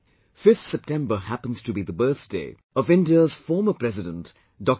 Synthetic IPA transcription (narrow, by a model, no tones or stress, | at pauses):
fɪft̪sɛp̚tɛ̃mbə˞hæpə̃n̩z̥tʰubiðəbɜ˞θd̥eɪ | ʌvɪ̃ndiəz̥fɔːɹməpʰɹɾɛzɪdə̃nt | dɔk̚